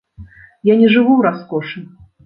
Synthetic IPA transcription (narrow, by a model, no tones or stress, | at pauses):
janʲɛʐɨvuwɾaskɔʂɨ